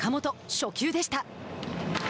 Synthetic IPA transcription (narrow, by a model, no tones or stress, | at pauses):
kamo̞t̪o̞ɕo̞kʲɨːd̪e̞ɕi̥t̪a